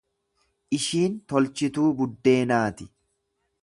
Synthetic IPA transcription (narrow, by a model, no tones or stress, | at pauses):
ʔɪʃiːnt̪ɔlt͡ʃɪt̪uːbʊd̪ːe̞ːnaːt̪ɪ̥